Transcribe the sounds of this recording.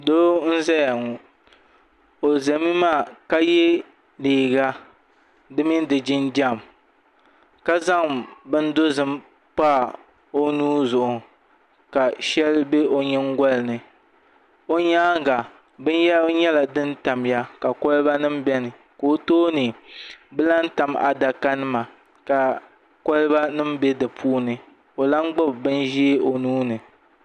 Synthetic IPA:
do˦n̩˦za˦ja˨ŋɔ˨ | o˨za˨mi˦maː˦˨ka˦je˦ | leː˨ɡa˦ | dɨ˦mi˦n˦dɨ˨d͡ʒɪ˦nd͡ʒa˦˨m | ka˦za˦ŋbɨ˦n˦do˦zɨ˦m | pa˦˨ | o˦nuː˦zʊ˨ʔʊ˨ | ka˨ʃɛ˦lbe˦ʔo˨ɲɛ˦ŋ˦ɡʷɔ˦lnɨ˨ | o˦ɲaː˦ɡa˨ | bɨ˦n˦jɛ˦ɲɛ˦la˨dɨ˦n˦ta˨m˦ja˦ka˨kɔ˦lba˦nɨ˦mbɛ˦nɨ˨ | koː˦toː˦nɨ˨bɨ˦la˦n̩˦ta˨ma̰˨da˨ka˦nɨ˦ma˨ | ka˨ | kɔ˦lɨ˦ba˦nɨ˦mbɛ˦dɨ˨pʰuː˦nɨ˨ | o˨la˦ŋɡ͡bʊ˦bbɨ˦n˦ʒi˦e˦o˨nuː˦nɨ˨

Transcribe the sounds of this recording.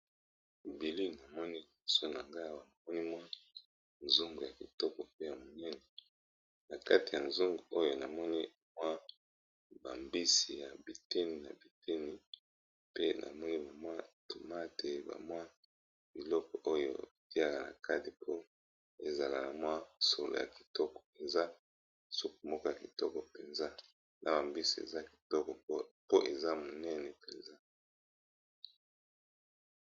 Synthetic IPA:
bi˨li˦na˨mɔ˦ni˦li˨˦so˦na˨ŋɡa˦˨wa˨a˨mɔ˦ni˦mwa˦ | nzu˦ŋɡo˨ja˨bi˨tɔ˦kɔ˨pe˦ja˨mo˨nɛ˦nɛ˨ | na˨ka˦ti˨ja˨nzu˦ŋɡu˨o˦jo˨na˨mɔ˦ni˦ | mwa˦ | ba˨mbi˦si˨ja˨bi˨te˦ni˨na̰˨bi˨te˦ni˦ | pe˦nʔa̰˨mɔ˦ni˦ba˨mwa˦to˨ma˦tʰe˨ba̰˨mwa˦ | b̥i˨lɔ˦kɔ˨ʔo˦jo̰˦˨ti˦a˦ka˨na̰˨ka˦ti˨pʰo˦ | e˨za˨la˨na˨mwa˦so˨lo̰˨ja̰˨ki̥˨tɔ˦kɔ̥˨e˨nza˦ | so˦ko˨mo˦ka˦˨a˨ki˨tɔ˦kɔ˨pe˨nza˦ | nʔa˨ba˨mbi˦si˨ḛ˨za˦ki̥˨tɔ˦kɔ˨ppo˦ʔe˨za˦mo˨nɛ˦nɛ˨pe˨nza˦

